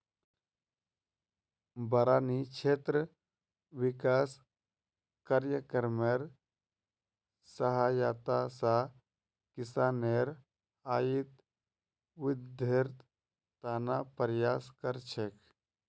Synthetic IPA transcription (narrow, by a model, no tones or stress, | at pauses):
bɐɾaːnikt͡ʃʰeːt̪ɾə | ʋɪkaːs | kaɾjəkəɾmeɾ | səɦaːjaːt̪asa | kɪsaːneɾ | aːjit̪ | wɪd̪ʱeɾt̪ | t̪aːnaːpəɾjaːskəɾt͡ʃʰek